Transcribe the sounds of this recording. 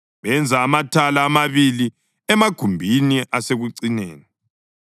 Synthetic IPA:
βɛnd͡zʱaːmatʰalaːmaβili | ɛmaɡ̥ʱumbʱiniʔaseɣuǀinḛːni

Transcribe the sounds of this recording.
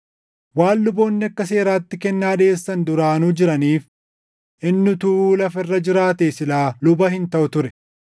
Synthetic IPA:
waːlːʊbo̞ːnːɪɐkːɐs̬e̞ːɾaːt̪ːɪkɛnːaːᶑe̞ːsːɐnd̪ʊɾaːnuːd͡ʒɪɾɐniːf | ʔɪnːʊt̪uːlɐfɪrːɐd͡ʒɪɾaːt̪eːsɪlaːlʊbɐhɪnt̪ɐʔʊt̪ʊɾɛ

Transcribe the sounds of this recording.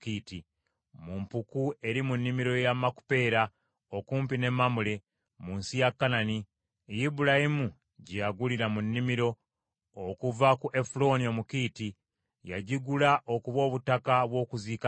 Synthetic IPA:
kiːti | mumpukue̞ɾimunːimiɾo̞jamaku̥pe̞ːɾa | okuːmpine̞mːamule̞ | munsijakːanani | jibuɾahimu | ɟejaɡuliɾamunːimiɾo̞ː | kuvakuʔefulo̞nio̞mukiːti | jaɟiɡulaʔokuβo̞ːβutakaβwo̞ːkuziːka

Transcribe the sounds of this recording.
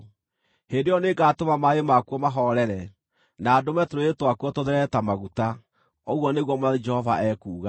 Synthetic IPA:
hendejɔneɡaːtomamaemakuɔmaɦɔɾɛɾɛ | naːdomɛtoɾoetwakuɔtoðɛɾɛtamaɣuta | oɣwɔneɣwɔmoad͡ʒɛhɔvaʔɛkuːɣa

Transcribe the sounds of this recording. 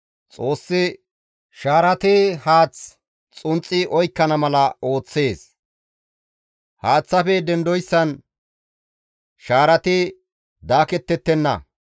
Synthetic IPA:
t͡sʼo̞ːsːɪ | ʃaːɾɐt̪ɪhaːt͡s | t͡sʼʊnt͡sʼːɪʔɔjkːɐnɐmɐlɐo̞ːt͡sːe̞ːs | haːt͡sːɐfɛd̪ɛnd̪ɔjsːɐn | ʃaːɾɐt̪ɪ | d̪aːkɛt̪ːɛt̪ːɛnːɐ̰

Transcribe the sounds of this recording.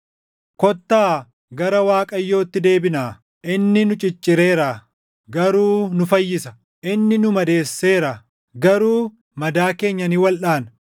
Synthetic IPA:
kɔt̪ːaː | ɡɐɾɐwaːkʼɐjːo̞ːt̪ːɪd̪e̞ːbɪnaː | ʔɪnːɪnʊt͡ʃʼɪt͡ʃʼːɪɾe̞ːɾa | ɡɐɾuːnʊfɐjːɪsɐ | ʔɪnːɪnʊmɐd̪e̞ːsːe̞ːɾɐ | ɡɐɾuː | mɐd̪aːke̞ːɲːɐnɪwɐlᶑaːn

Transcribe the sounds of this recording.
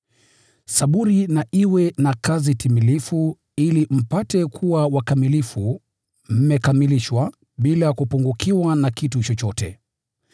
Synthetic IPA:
saɓuɾinaʔiwɛnakazitimilifu | ilim̩patɛkʰuwawakamilifu | m̩mɛkamiliʃwa | ɓilakupuŋɡukʰiwanakitut͡ʃɔt͡ʃɔtɛ̰

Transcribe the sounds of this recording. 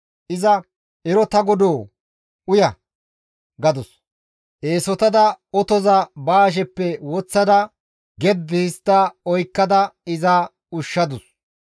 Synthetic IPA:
ʔɪzɐ | ɛɾɔt̪ɐɡɔd̪oː | ʊjɐ | ɡɐd̪ʊs | ʔeːsɔt̪ɐd̪ɐɔt̪ɔzɐbaːʃ̬ɛpːɛwɔt͡sːɐd̪ɐ | ɡɛd̪ːɪɪst̪ːɐɔjkːɐd̪ɐɪzɐ | ʊʃːɐd̪ʊs

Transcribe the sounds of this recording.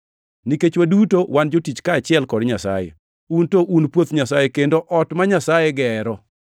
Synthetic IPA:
niket͡ʃwadutowand͡ʒotit͡ʃkaːt͡ʃɪɛlkɔdɲasa̰jḛ | untoʔunpwot̪ɲasajekendoʔɔtmaɲasajeɡɛɾɔ

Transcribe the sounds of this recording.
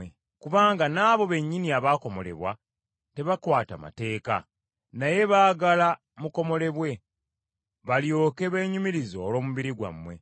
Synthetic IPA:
e | kuβaːŋɡanaːβo̞βe̞ɲːiniaβaːko̞mo̞le̞̰βwa̰ | te̞βakwaːta̰ma̰te̞ːka̰ | naje̞βaːɡala | muko̞mo̞le̞βwe̞ | βaljo̞ːke̞βe̞ːɲumiɾizo̞ːlo̞ːmuβiɾiɡwa̰mːwe̞̰

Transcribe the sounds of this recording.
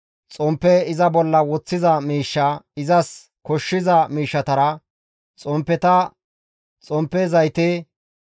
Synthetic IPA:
t͡sʼɔmpːɛɪzɐbɔlːɐwɔt͡sːɪzɐmiːʃːɐɪzɐs | kɔʃːɪzɐmiːʃːɐt̪ɐɾɐ | t͡sʼɔmpːɛt̪ɐ | t͡sʼɔmpːɛzɐjt̪e

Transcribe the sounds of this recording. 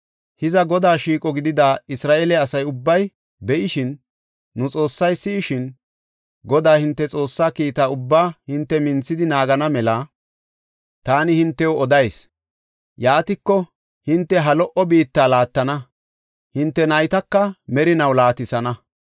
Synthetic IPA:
hɪzɐɡɔd̪aːʃiːkʼɔɡɪd̪ɪd̪aːɪsɾaːʔeːlɛɐsɐjʊbːɐj | bɛʔɪʃɪnː | ʊt͡sʼo̞ːsːɐjsɪːʃɪn | ɡɔd̪aːhɪnt̪ːɛt͡sʼo̞ːsːaːkiːt̪aːʊbːaːhɪnt̪ːɛmɪnt͡sːɪd̪ɪnaːɡɐnɐmɛlɐ | t̪aːnɪhɪnt̪ːɛwɔd̪ɐjs | jaːt̪ɪkːɔ | hɪnt̪ːɛɦɐlɔʔɔbiːt̪ːaːlaːt̪ːɐnɐ | hɪnt̪ːɛnɐjt̪ɐkːɐmɛɾɪnɐwlaːt̪ɪsɐnɐ

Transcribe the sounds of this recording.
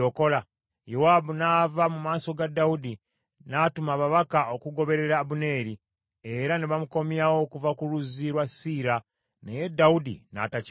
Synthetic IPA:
oko̞la | jowaːbunaːvamumaːso̞ɡadːaudi | natumaβaβakaʔo̞kuɡo̞βe̞ɾe̞ɾaːbune̞ːɾi | eɾaneβamuko̞mjawo̞kuvakuɾuziɾwasiːɾa | neje̞dːawudḭna̰taci

